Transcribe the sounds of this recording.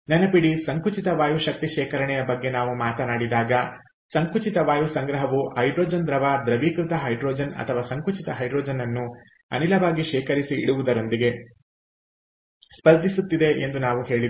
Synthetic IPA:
nɐnɐpiɽisɐŋkut͡ʃit̪ɐʋaːjuʃɐk̚t̪iʃɛːkɐɾɐɳɛjɐbɐɡːe̞naːʋumaːt̪ɐnaːɽid̪aːɡɐ | sɐŋkut͡ʃit̪ɐʋaːjusɐŋɡɾɐɦɐʋuhɐjɖɾoːd͡ʒɐnd̪ɾɐʋaːd̪ɾɐʋiːkɾut̪ɐɦɐjɖɾoːd͡ʒɐnɐ̰t̪ʰɐʋaːsɐŋkut͡ʃit̪ɐɦɐjɖɾoːd͡ʒɐnɐnːu | ɐ̰nilɐʋaːɡiʃɛːkɐɾisḭːɽuʋud̪ɐɾo̞nd̪iɡe̞ | spɐɾd̪ʱisut̪ːid̪e̞ʔend̪unaːʋuɦe̞ːɭid̪

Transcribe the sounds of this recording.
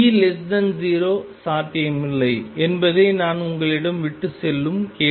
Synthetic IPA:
iːlɛsdɐnziːɾoːsaːt̪ɐɐmɪlːɐɪɛnbɐðeːnaːnʊŋɡɐɭɪɽɐmʋɪʈːɯsɛlːɯmkeː

